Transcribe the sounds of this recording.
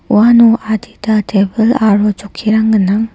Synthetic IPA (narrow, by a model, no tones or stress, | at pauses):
uanuʔadidatebɯlaɾod͡ʒokʰiɾaŋɡɯnːaŋ